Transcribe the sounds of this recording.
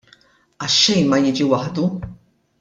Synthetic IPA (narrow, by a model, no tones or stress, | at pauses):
ɐʃːɛjnmɐjɪːd͡ʒiwɐħd̪u